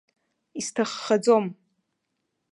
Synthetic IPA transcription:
istʰaχːad͡zom

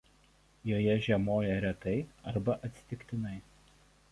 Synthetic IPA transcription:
joːjɛʒʲɛmoːjɛɾʲɛt̪ɐɪɐɾbɐʔɐt̪ʲsʲɪ̥t̪ʲɪkʲt̪ʲɪnɐɪ

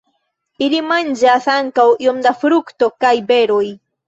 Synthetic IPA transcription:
ilimand͡ʒasaŋkawiomd̪afɾukto̞kajbeɾoj

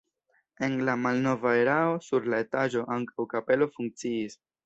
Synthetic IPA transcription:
e̞nlamalno̞vae̞ɾao̞suɾlae̞taʒo̞ʔaŋkawkape̞lo̞fuŋk̚t͡siis

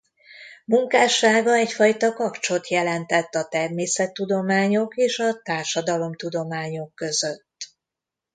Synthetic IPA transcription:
muŋkaːʃaːɡɒɛcfɒjt̪ɒkɒkt͡ʃo̞t̪jɛlɛnt̪ɛt̪ːɒt̪ɛrmeːsɛt̪ːud̪o̞maːɲo̞keːʃɒt̪aːrʃɒd̪ɒlo̞mt̪ud̪o̞maːɲo̞kːøzøt̪ː

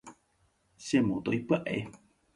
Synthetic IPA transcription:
semot̪oipɨaʔḛ

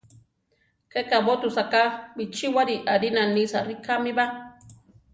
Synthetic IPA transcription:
kekabot̪usakabit͡ʃiwaɾiʔaɾinanisaɾikamiba

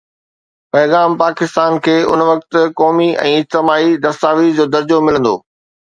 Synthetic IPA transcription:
pɐːɣaːmpaːkɪst̪aːnkʰeːʊ̰nʋɐk̚t̪ʊ̆kɔːmiʔɛ̰̃ːɪd͡ʑt̪ɪmaːid̪ɐst̪aːʋiːɾd͡ʑoːd̪ɐɾd͡ʑomɪlə̃nd̪oː

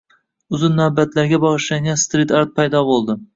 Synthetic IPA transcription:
ʊzɪnːabat̪ʰlaɾɡʲabɒʁɨʃlʲaŋɡʲanst̪ɾit̪aɾt̪̚pʰajd̪ɒbolˠd̪ɪ

